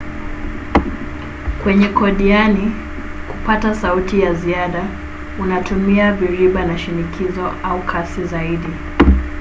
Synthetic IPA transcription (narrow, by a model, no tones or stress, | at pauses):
kwɛɲɛkɔɗiani | kupatasautijaziaɗa | unatumiaviɾiɓanaʃinikʰizɔʔaukʰasizaiɗi